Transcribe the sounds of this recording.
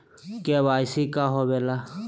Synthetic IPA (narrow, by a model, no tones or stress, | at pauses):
keʋaːjsikaɦobeːla